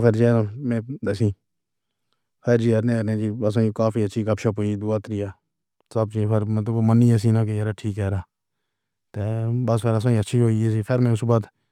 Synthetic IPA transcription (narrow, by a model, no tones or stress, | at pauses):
pʰɪɾd͡ʒeːnãːmẽːd̪əsĩː | pʰɪɾd͡ʒiːəɾnẽːəɾnẽːd͡ʒiːəs̬ãːĩːkaːfʰiːətːʃʰiːkəpʃʰaːpoid̪ʊaːt̪ɾiːaː | səb̚t͡ʃiːd͡ʒpʰɪɾmẽt̪əoːmənːiːɛs̬ĩːnãːkeəɾaːʈʰiːkɦɛːɾaː | t̪eːbəs̬pʰeɾəsãːĩətːʃʰiːɦoːies̬iːpʰɪɾmẽːʊsbaːt̪